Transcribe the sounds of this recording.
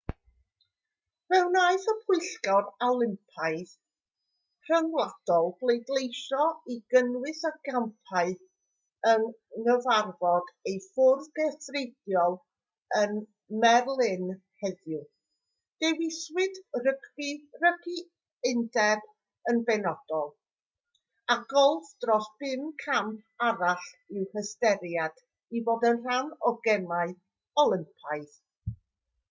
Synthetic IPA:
mɛwnaɨθəpʰʊɨɬɡɔralˠɪmpʰajθ | r̥ənlˠad̥ɔlˠblˠejdlˠejʃɔiɡənwɨθaɡ̥ampʰaɨθ | ənːəvarvɔd̥ejfʊrðɡɛθredjɔlˠ | ən | mɛrlˠɪn | hɛðjʊ | d̥ɛwɪswɨdrəkʰirəkʰi | ɪndɛb | ənbɛnɔd̥ɔlˠ | aɡɔlˠfd̥rɔsb̥ɪmkʰamaɾaɬɪwhəstɛɾjad̥ | iboːdənr̥anɔɡɛmaɨ | ɔlˠɪmpʰajθ

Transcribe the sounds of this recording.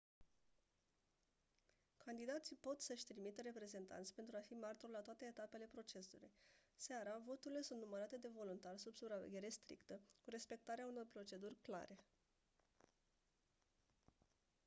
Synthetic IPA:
kʰand̪id̪at̪sipo̞t̪səʃʲt̪ɾimit̪əɾe̞pɾe̞ze̞nt̪a̰nt̪sʲpent̪ɾuafimart̪orlat̪oat̪e̞ːt̪ape̞le̞pɾo̞t͡ʃe̞sṵlṵjsaɾavo̞t̪uɾile̞sunt̪numəɾat̪e̞d̪e̞vo̞lunt̪arʲsubsupɾavḛɡʲe̞ɾe̞st̪ɾḭkt̪əkuɾe̞spe̞k̚t̪aɾeauno̞rpɾo̞t͡ʃe̞d̪urʲkla̰ɾe̞

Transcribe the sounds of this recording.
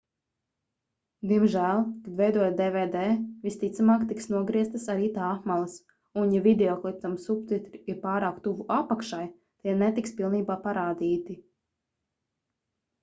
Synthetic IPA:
d̪iɛmʒæːlˠkad̪vɛjd̪uɔjad̪ɛvɛːd̪ɛːvist̪it̪samaːkt̪iksnuɔɡɾiɛst̪asaɾiːt̪aːxmalˠas | unjavid̪eɔklˠit̪amsupt̪it̪ɾiiɾpaːɾaːkt̪uvuʔapakʃaj | t̪iɛnɛt̪ikspilˠniːbaːpaɾaːd̪iːt̪i

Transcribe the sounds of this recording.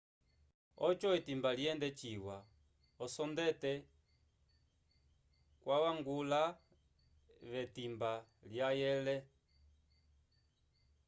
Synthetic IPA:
ɔt͡ʃɔɛtimbaliɛndɛt͡ʃiwa | ɔsɔndɛtɛ | kwawaŋɡula | βɛtimbaljajɛlɛ

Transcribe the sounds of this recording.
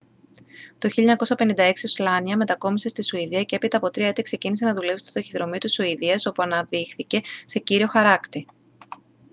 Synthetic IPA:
t̪o̞çiʎɐɲɐko̞sɐpe̞nind̪ɐe̞ksioslɐniɐme̞t̪ɐko̞mise̞st̪isuiðiɐce̞epit̪ɐːpo̞t̪ɾiɐet̪ekse̞cinise̞nɐðule̞pst̪d̪oçiðɾo̞mit̪isuiðiɐso̞puɐnɐðixθice̞se̞ciɾio̞xɐɾɐkt̪i

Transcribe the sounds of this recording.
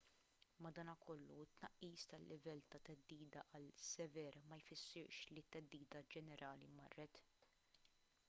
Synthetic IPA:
mɐd̪ɐːnɐkʰɔlːuɪt̪ːnɐʔːiːst̪ɐlːʔɪvɛlt̪ɐt̪ɛd̪ːiːd̪ɐʔɐlsɛvɛɾmɐjfɪsːɪɾʃlit̪ːɛd̪ːiːd̪ɐd͡ʒɛnɛɾʔɐːlimɐ̰rːɛt̪

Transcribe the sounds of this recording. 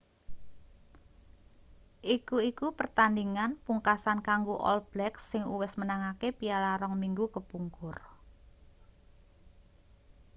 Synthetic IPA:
ʔikuikupərt̪andiŋanpuŋkasankaŋɡuʔɔ̰lb̥lɛksːɪŋuwɪsmənaŋakepijalaɾɔŋmiŋɡukəpuŋkʊr

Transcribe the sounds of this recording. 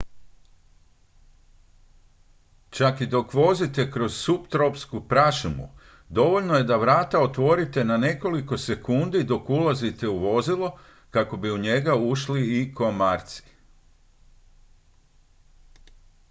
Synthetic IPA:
t͡ʃakid̪o̞kʋo̞zit̪e̞kɾo̞z̥supt̪ɾopskupɾaʃumṵ | d̪o̞ʋo̞ʎnoje̞d̪aʋɾaːt̪ao̞t̪ʋo̞ɾit̪e̞nane̞ko̞liko̞se̞kund̪id̪o̞kulazit̪e̞uʋo̞zilˠo̞ | kako̞biuɲe̞ɡauʃliiko̞maɾt̪si̥

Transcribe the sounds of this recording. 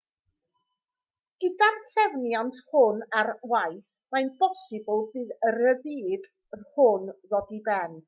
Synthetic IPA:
ɡ̥ədarθɛvnjantʰhʊnarwajθ | majnb̥ɔsɪbəlˠðɨːðəɾəðiːd | hʊnðɔdibɛn

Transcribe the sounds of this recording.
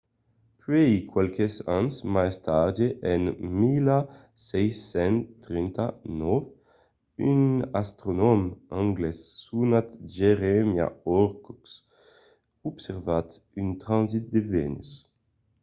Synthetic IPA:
pɥɛikwalkesansmaest̪ad͡ʒeʔɛnmila | sɛjsɛnt̪ɾint̪anɔv | ynast̪ɾonɔmãŋɡlɛsːunat̪ʒeʁɛmja̰ɔɾkɔks | ubseɾvat̪ | ynt̪ɾãnzit̪̚d̪evɛnys

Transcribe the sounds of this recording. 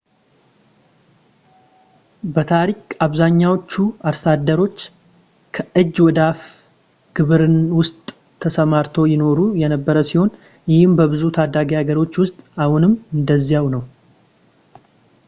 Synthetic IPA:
bət̪ʰaɾikʼaβzaɲːawot͡ʃːuaɾsad̪ːəɾo̞t͡ʃː | kʰəʔɨd͡ʒːwɔd̪af | ɡ̥ɨβɨɾɨnwʊst̪ʼʰː | əsəmaɾt̪ʰo̞jɪno̞ɾujɛnəbːəɾəsiho̞n | jɪhɪmbəbɨzut̪ʰad̪ːaɡiaɡəɾo̞t͡ʃːwʊst̪ʼahʊnɨmːɨnd̪əzːijawnəw

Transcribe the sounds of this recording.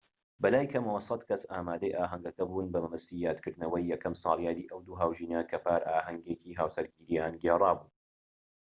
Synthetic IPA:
bɐlaːjkʰɐmɐwɐsɐd̪kɐsaːmaːd̪ɐjʔaːɦɐŋɡɐkɐbuːnbɐmɐmɨst̪iːjaːd̪kɨɾd̪nɐwɐjːɛkɐmsɑ̰ːlˠjaːd̪iːʔɐwd̪uːɦaːwʒiːnakʰɐpaːɾʔaːɦɐŋɡekiːɦaːwsɐɾɡiːɾiaːnɡeːrˤɑːbuː

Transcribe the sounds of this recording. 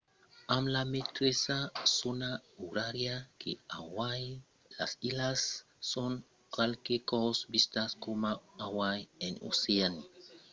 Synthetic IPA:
amlamet̪ɾesasonauɾaɾjakʰḛawaj | la̰silasː | on | kalkekowsbist̪askomaawajeno̰sean

